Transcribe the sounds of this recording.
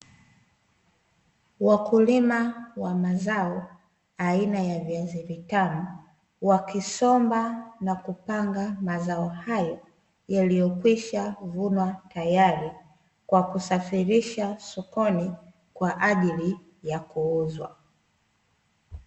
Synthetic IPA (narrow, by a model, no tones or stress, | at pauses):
wakulimawamazaɔ | ainajaviazivitanɔ | wakisɔmbanakupaŋɡamazaɔhajɔ | jalijɔkwiʃavunwatajaɾi | kwakusafiɾiʃasɔkɔni | kwaʔaʄili | jakuuzwa̰